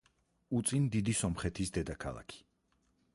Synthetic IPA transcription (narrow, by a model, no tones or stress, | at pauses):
ut̪sʼind̪id̪isɔmχɛt̪ʰisd̪ɛd̪akʰa̰lˠa̰kʰi̥